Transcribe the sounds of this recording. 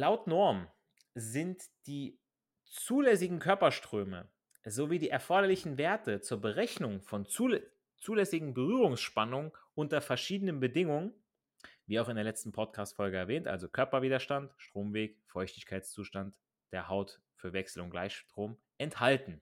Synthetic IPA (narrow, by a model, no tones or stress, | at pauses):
laʊtnɔɐm | zɪntd̥iː | t͡suːlɛsɪɡŋ̩kʰœɐpɐʃtʁ̥øːmə̰ | zoviːdiːʔɛɐfɔɐɾɐlɪçn̩veːɐtət͡suːɐbəʁɛçnʊŋfɔn | t͡suːlɛsɪɡŋ̩bəʁyːʁʊŋsʃpanʊŋənʔʊntɐfɛɐʃiːdənənbədɪŋʊŋən | viːaʊxɪndeːɐlɛt͡stn̩pʰɔtkʰaːstfɔlɡəɛɐvɛːntʔa̰lzokʰœɐpɐviːdɐʃtantʃtʁ̥oːmveːkfɔʏçtɪçkʰaɪtst͡suːʃtant | d̥eːɐhaʊt | fyːɐvɛksl̩ʊ̰ntɡ̥la̰ɪçʃʃtʁ̥oːm | ʔɛnthaltn̩